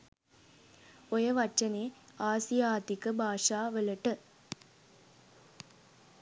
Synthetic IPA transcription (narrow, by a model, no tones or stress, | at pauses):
ojɐʋɐt͡ʃɐneːaːsijaːt̪ikɨbʱaːʂaːʋelɐʈːɨ